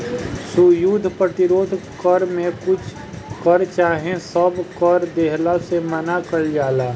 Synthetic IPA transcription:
sujud̪ʱpɾət̪ɪɾoːd̪ʱkəɾmẽkʊt͡ʃʰ | kəɾt͡ʃaːɦẽsəbkəɾd̪eɦlasemənakəɾd͡ʒaːlaː

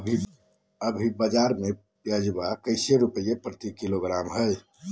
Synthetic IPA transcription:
bʱi | əbʱibəd͡ʒaɾme | jad͡ʒbakəɪseɾupəjepɾət̪ikiloɡɾamɦəj

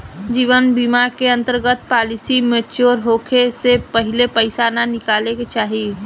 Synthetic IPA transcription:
d͡ʒiːʋənbimaɾkeə̃nt̪əɾɡət̪paːlɪsimet͡ʃoːɾɦoːkʰesepɐɦɪlepəɪsananɪkaːleket͡ʃaːɦi

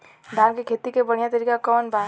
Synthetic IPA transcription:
ɖ̪ʱaːmkekʰeːt̪ikebɐɽ̤̃ijat̪əɾiːkakɔːnbaː

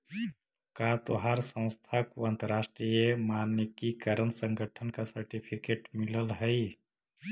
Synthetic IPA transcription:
kat̪oɦaɾsə̃w̃st̪ʰakoãnt̪əɾaːsʈɾijəmaːnːekikəɾənsə̃ŋɡʱəʈʰənkasəɾʈipʰikeːʈmɪləlɦɛi

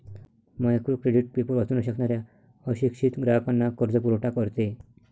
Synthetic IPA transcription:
majakɾukɾeɖiʈ̚pepəɾʋat͡sunaɕəknaɾja | əɕikɕit̪ɡɾapanːakəɾd͡zəpuɾoʈakəɾt̪e

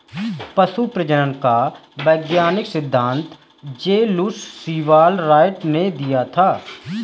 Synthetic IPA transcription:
pəsupɾəd͡ʒənənkaːʋɛːɡjaːnɪksɪd̪ʱːãːnt̪ | d͡ʒeːlusːiːʋaːlɾaːɪʈneːd̪ijaːt̪ʰaː

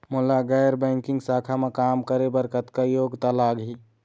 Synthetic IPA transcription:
molaɡɛjɾbɛ̃ŋkĩŋɡsakʰamekamkəɾebəɾkət̪kajoɡt̪əlaɡɦi

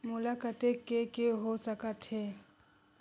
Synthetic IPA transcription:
mʊlakʼatʼekekʼɪɦot͡sakatʰe

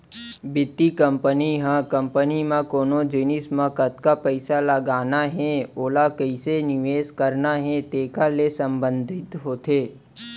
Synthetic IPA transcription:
bɪt̪ːikə̃mpəniɦãkə̃mpənimãkoːnod͡ʒɪnɪsmãkət̪kapəɪsaləɡaːnaɦɛ̃oːlakəɪsenɪʋeːskəɾnaɦɛ̃t̪eːkalesə̃mbə̃nd̪ʱɪt̪ɦoːt̪eː

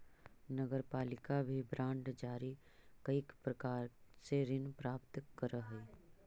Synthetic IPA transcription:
nɐɡəɾpaːlɪkabʱibɾãːɳɖd͡ʒaːɾi | kɐikpɾɐkaːɾseɾɪnpɾaːpt̪kɐɾəɦɛi

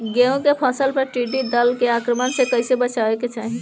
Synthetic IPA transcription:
ɡeũkepʰəsəlpəɾʈiɖid̪əlkeakɾəmənsekəjsebət͡ʃaeket͡ʃaɦi

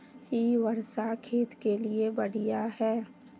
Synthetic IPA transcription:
ɦiʋəɾsakʰeːt̪keliebɐɽ̤ijaɦɛː

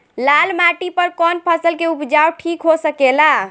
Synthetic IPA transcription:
lalmaʈipəɾkɔnpʰəsəlkeupd͡ʒawʈʰikɦosəkela

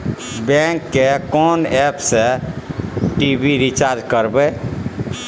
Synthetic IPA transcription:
bɛŋkːekɔnɛpse | ʈibiɾit͡ʃaɾd͡ʒkəɾbɛ

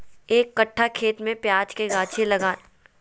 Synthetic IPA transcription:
eːkːɐʈʰːakʰeːt̪mẽpjaːd͡ʒkeɡaːt͡ʃʰelɐɡaːn

